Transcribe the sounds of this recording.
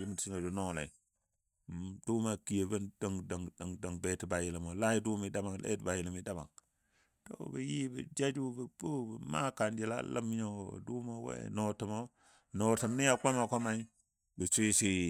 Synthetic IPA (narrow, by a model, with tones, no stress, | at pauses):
ji˦m˨tsi˦no˨d͡ʒu˨no˦lḛ˨ | du˦ma˨ki˨je˨bə˦ndə˦ŋda˨ŋda˨ŋda˨ŋbe˨ti˨ba˨ji˨la˨mo˨la˦ji˦du˦mi˨da˦ma˨ŋlḛ˦tba˨ji˨li˨mi˦da˦ba̰˨ŋ | to̰˦bi˨ji˦bḭ˨d͡ʒa˦d͡ʒu˦bə˨bu˦bə˨ma̰˦ka˨nd͡ʒi˨la̰˦la̰˦m˦ɲo̰˦˨du˦mo˦wḛ˦no˨tə˨mo˦ | no˨tə˨mni˦ja˦˨ka˦ma˨ko˦ma˦i˦ | bə˨sʷi˦si˦